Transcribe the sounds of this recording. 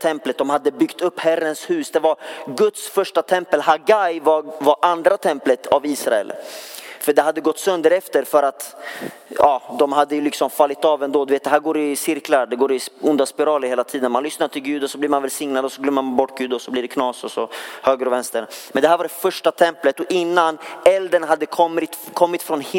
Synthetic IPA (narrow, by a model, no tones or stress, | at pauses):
t̪ʰɛmplət̪̚d̪ɔmhad̪ːəbʏɡt̪ɵpːhærːənshʉ̟ːsd̪ɛvaɾɡɵt̪sfœʂʈat̪ʰɛmpəlɦaɡajvavaɾʔand̪ɾat̪ʰɛmplət̪aviːsɾaɛ̰lfœɖɛhad̪ːəɡɔt̪ːsœnd̪əɾɛft̪əɾfœɾat̪ | ɑːd̪ɔmɦad̪ːəjɵlɪksɔmfalːɪt̪ɑːvɛnd̪oːd̪ɵveːt̪d̪ɛɦæːɾɡoːɾɪsɪɾklaɾɖɛɡoːɾɪsʊnd̪aspɪɾɑːləɾheːlat̪ʰiːd̪ənmanlʏsnaʈʰɪlɡʉ̟ːd̪ɔsɔblɪːɾmanvɛlsɪŋnad̪ɔsɔɡlœmːəɾmanbɔʈːɡʉ̟ːd̪ɔsɔblɪɖɛkʰnɑːsɔsɔhøːɡəɾɔvɛnst̪əɳmɛnd̪ɛɦæːɾvaɖɛfœʂʈat̪ʰɛmplət̪ɔʔɪnːanɛld̪ənɦad̪ːəkʰɔmːɪt̪kʰɔmːɪt̪fɾɔnh